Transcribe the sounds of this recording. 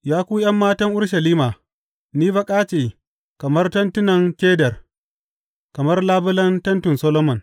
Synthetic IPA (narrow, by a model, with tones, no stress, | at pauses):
jaː˦kʷuː˦jɐ˦mːaː˦tɐ˦ŋʔʊ˦ɽʃɐ˨liː˦maː˨ | niː˦bɐ˨kʼaː˦t͡ʃeː˨ | kɐ˨mɐ˦rtɐ˦ntʊ˦nɐ˨ŋkʲeː˦dɐ˨r | kɐ˨mɐ˦rlaː˦bʊ˦lɐ˦ntɐ˦ntʊ˨nsɔ˦loː˦mɐ˨n